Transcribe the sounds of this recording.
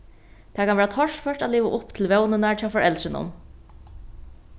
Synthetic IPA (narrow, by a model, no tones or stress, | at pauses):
t̪ʰɛːkʰanʋɛːɾat̪ʰɔʂfœʂʈad̪liːʋa̰ʔʊpt̪ʰɪlʋɛwnɪnaɹt͡ʃʰaːwfɔɹʔɛlsɪnʊ̰n